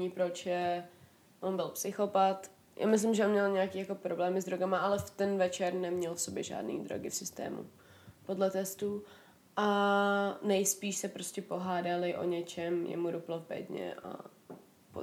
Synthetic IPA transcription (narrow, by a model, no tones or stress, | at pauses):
ɲipɾot͡ʃjɛ | ʔonbɪlpsɪxo̞pat̪ | jʔa̰ːmɪs̬lɪmʒɛonmɲɛlɲɛakiːjako̞pɾo̞blɛːmɪzd̪ɾoɡamaʔalɛft̪ɛnvɛt͡ʃɛɾnɛmɲɛlfsobjɛʒa̰ːdnḭːd̪ɾo̰ɡɪfsɪst̪ɛ̰ːmṵ | po̞dlɛt̪ɛst̪u | ʔa | nɛjspiːʃsɛpɾoscʲɛpo̞ɦaːdalɪʔo̞̰ɲɛt͡ʃɛmjɛ̰muɾuplobɛ̰dɲɛ̰ʔa̰ | po̰